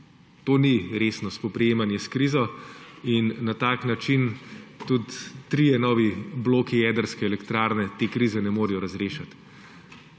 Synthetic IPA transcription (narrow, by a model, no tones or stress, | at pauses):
t̪oːniɾeːsnɔspɔpɾɛjeːmanjɛskɾiːzɔinːat̪aːknat͡ʃint̪ut̪ːɾijɛnɔːʋibloːkijɛːd̪əɾskɛɛlɛkt̪ɾaːɾnɛt̪eːkɾizɛnɛmoːɾijɔɾazɾeːʃat̪